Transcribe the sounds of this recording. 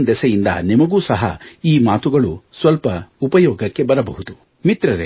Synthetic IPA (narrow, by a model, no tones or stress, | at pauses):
nd̪ɛsɐjind̪ɐ̰nimɐɡuːsɐɦɐ̰iːmaːt̪uɡɐɭusʋɐlpɐupɐjɔːɡɐkːe̞bɐɾɐbɐɦud̪u | mit̪ɾɐɾe